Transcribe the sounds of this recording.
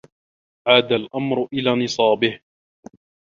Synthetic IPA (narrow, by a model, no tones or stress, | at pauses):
ʕaːd̪alʔamɾʊʔɪlaːnɨsˤɑːbɪh